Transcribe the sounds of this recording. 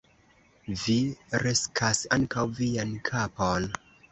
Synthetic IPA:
viɾeskʰasaŋkawviankʰapon

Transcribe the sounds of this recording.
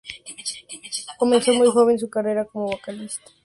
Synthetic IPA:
komẽ̞nsomujxo̞β̞ens̬ukareɾakomoβokalist̪ḁ

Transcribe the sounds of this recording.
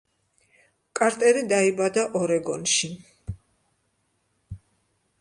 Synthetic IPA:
kʼaɾt̪ʼɛɾid̪aibad̪aʔɔɾɛɡɔnʃi

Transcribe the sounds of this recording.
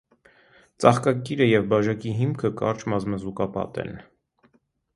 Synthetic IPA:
t͡sɑχkɑkiɾəjɛvbɑʒɑkiɦimkʰəkɑ̰ɾt͡ʃmɑzməzukɑpɑ̰t̪ɛ̰n

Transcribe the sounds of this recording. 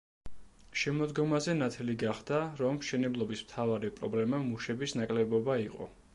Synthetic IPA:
ʃɛmɔd̪ɡɔmazɛnat̪ʰɛliɡaχd̪aɾɔmʃɛnɛblˠɔbismt̪ʰavaɾipʼɾɔblɛmamuʃɛbisnakʼlɛbɔbaiqʼɔ̰

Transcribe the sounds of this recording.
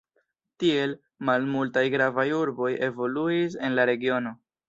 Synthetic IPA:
tie̞l | malmultajɡɾavajuɾbo̞je̞vo̞luis̬e̞nlaɾe̞ɡio̞no̞

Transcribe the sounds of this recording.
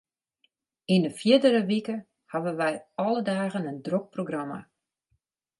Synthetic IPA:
inəfjɪdəɾəʋikə | haʋəʋɛjɔlədaːɣənəndrok̚proɡrama̰

